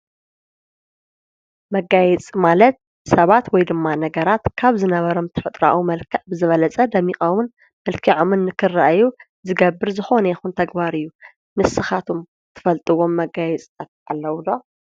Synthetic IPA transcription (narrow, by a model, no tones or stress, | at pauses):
mɐɡajɛt͡sʼmalɐt̪̚ | sɐβat̪wɔjd̪ɨmːanɐɡɐɾat̪kʰaβzɨnɐβɐɾo̞mt̪ʰɨfɨt̪ʼɾa̰ʔwumɐlkʰɐʔbɨzɨβɐlɐt͡sʼɐd̪ɐmːixʼɐwun | mɐlkʰiʕomɨnːɨkʰɨrːaʔju | zɨɡɐbːɨɾzɨxo̞nɐjɛxunt̪ʰɐɡbaɾɨjːu | nɨsːɨxat̪ʰom | t̪ʰɨ̥fɐlt̪ʼɨwo̞mːɐɡajɛt͡s̪ʼɐt̪ʔa̰lːɐwd̪o